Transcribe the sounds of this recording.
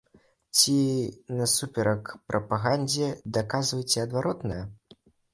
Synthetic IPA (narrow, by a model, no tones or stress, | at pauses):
t͡sʲinɐsupʲɛɾɐkpɾʔɐpaɣanʲd͡zʲɛd̪akazvɐjt͡sʲɛɐd̪vaɾɔt̪nɐjɐ